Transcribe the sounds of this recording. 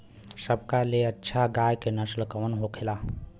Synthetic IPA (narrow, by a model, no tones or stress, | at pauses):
səbkaleətːʃʰaɡajkenəslkəːnɦokʰela